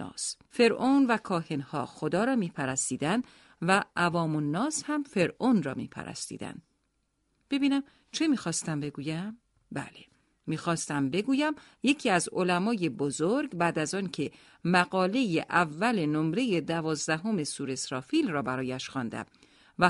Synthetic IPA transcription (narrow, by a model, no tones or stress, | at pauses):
s | fe̞ɾʔonvækʰɒːhenhɒ̰ːxod̪ɒːɾɒːmiːpʰæɾæst̪iːd̪ænd̪ | væʔːvɒːmonːɒːshæmfe̞ɾʔonrɒ̰ːmḭːpʰæ̰ɾæ̰st̪ḭːd̪æ̰nd̪̥ | b̥e̞biːnæm | t͡ʃʰe̞miːxɒːst̪æmbe̞ɡuːjæm | bæ̰le | miːxɒːst̪æmbe̞ɡuːjæmje̞cʰiːæzolæmɒːje̞bozoɾɡbæːd̪æzɒːncʰe̞ | mæɡɒːle̞jeʔævːælenomɾe̞je̞d̪ævɒːzd̪æɦome̞suːɾe̞sɾɒːfiːlrɒːbæɾɒːjæʃxɒːnd̪æ̰m | væ